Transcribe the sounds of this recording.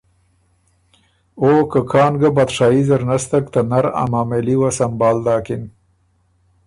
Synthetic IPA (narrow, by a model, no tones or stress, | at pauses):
okəkʰɑːnɡəbad̪ʂɑːizəɾnast̪akt̪anaɾa̰mameliwasambɑːld̪ɑːkɪm